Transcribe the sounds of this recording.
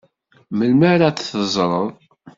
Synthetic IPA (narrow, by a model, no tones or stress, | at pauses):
məlməɾat͡sθəzˤɾˤəðˤ